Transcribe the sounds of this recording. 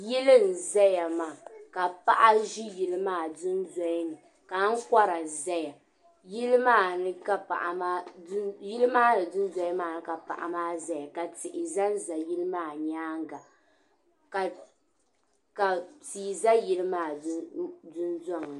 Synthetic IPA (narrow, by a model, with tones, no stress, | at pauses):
ji˦lɨ˦n̩˨za˦ja˨maː˨ka˨pa˦ʔa˦ʒi˦ji˨lɨ˦maː˦˨dʊ˦nza˦i˦nɨ˨ | ka˨˦ŋ̩˦ka˦ɾa˨za˦ja˨ | ji˦lɨ˦maː˦˨nɨ˦ka˦pa̰˨ʔa˨maː˦ji˦lɨ˦maː˦nɨ˨dʊ˦n˦za˦jɪ˦maː˦˨nɨ˦ka˨pa̰˨ʔa̰˨maː˦za˦ja˨ka˨tɪ˨ʔɪ˨za˦n˦za˨ji˦lɨ˦maː˦˨ɲaː˦ŋ˦ɡa˨ | ka˨ | ka˨tiː˨za˦ji˦lɨ˦maː˦˨˦dʊ˦nzɔ˦˨ŋɨ˨